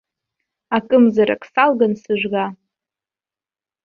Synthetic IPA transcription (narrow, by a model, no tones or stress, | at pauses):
akʼɨmzaɾa̰kʰʼsalɡansɨʒʷɡa